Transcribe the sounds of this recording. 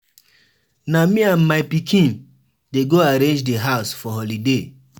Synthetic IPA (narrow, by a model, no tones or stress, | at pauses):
namĩãnmaɪpikʰĩn | deɡoaɾẽnd͡ʒdeɦaʊsfɔɦɔlide